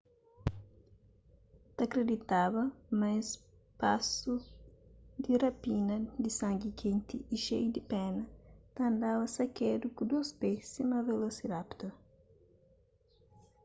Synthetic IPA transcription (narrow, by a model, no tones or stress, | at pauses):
t̪ɐkɾed̪it̪aβɐmɐs | pasu | d̪irɐpinɐd̪isãŋɡikʰẽnt̪iiʃejud̪ipɛnɐt̪ɐ̃nd̪aβɐsɐkɛd̪ukud̪ospesimɐvelosiɾapt̪ɐ